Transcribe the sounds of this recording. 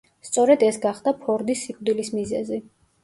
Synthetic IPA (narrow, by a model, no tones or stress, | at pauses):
st̪sʼɔɾɛd̪ɛsɡaχd̪apʰɔɾd̪isːikʼd̪ilismizɛzi